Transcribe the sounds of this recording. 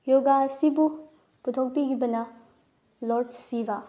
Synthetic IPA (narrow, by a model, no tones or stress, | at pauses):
joɡasibu | putʰok̚pikibɐnɐ | loɾdsiba